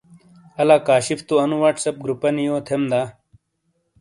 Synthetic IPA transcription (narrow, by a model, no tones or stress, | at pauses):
ɐlaːkaːɕift̪uɐnuwaʈsɐp̚ɡɾupɐnijoːt̪ʰemd̪aː